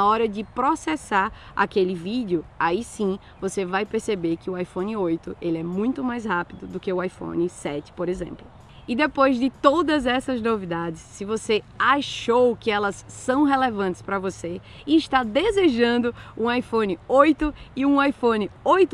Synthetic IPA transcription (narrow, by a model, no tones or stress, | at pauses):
aɔɾɐd͡ʒɪpɾosɛsaɾa̰kelɪvid͡ʒjʊaisĩ | vosevajpeɾsebeɾkɪʊajfõnɪojt̪ʊelɪɛmũj̃t̪ʊmajshapid̪ʊd̪ʊkeʊajfõ̰nɪsɛt͡ʃɪ̥poɾezḛ̃mplʊ | ɪd̪epojzdɪt̪od̪ɐzɛsɐznovid̪ad͡ʒɪsːɪvoseaʃowkɪɛlɐsːɐ̃w̃ɦelevɐ̃nt̪ɪ̥spɾɐvose | iːʃt̪ad̪ezeʒɐ̃nd̪ʊũajfõnɪojt̪ʊɪũajfõnɪojt̪